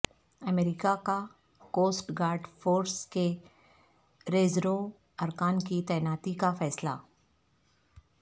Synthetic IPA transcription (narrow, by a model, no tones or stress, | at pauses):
ɐmeːɾɪkaka | koːsʈɡaːɾɖfoːɾske | ɾeːzɾo | ɐɾkaːnkit̪ɛːnaːt̪ikafɛːsla̰